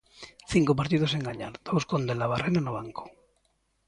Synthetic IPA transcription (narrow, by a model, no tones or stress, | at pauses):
θiŋkop̬aɾt̪iðoseŋɡaɲaɾd̪̥owskond̪elaβ̞arenanoβ̞aŋko̥